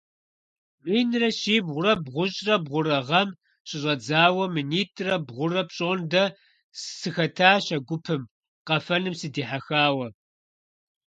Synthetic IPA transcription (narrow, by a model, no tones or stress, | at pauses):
miːnrɐɕiːbʁʷʊɾɐbʁʷʊɕʼrɐbʁʷʊɾɐʁɐm | ɕʼɪɕʼɐd͡zaːwɐminiːtʰʼrɐbʁʷʊrɐpɕʼoːndɐ | ssɨxɐtʰaːɕɐɡʷʊpʰɨm | qɐfɐnɨmsɨdiːħaxaːwɐ